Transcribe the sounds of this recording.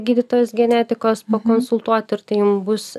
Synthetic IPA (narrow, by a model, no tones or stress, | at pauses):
ɡʲiːd̪ʲɪt̪oːjosɡʲɛnʲæːt̪ʲɪkoːspɐkonsʊlˠt̪uɔt̪ʲɪɾt̪ɐjʊmbʊss